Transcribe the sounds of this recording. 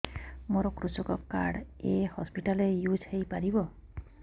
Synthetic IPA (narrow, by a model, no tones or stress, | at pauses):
moɾɔkɾusɔkɔka̰ɽehɔspiʈalejud͡ʒhejpaɾibɔ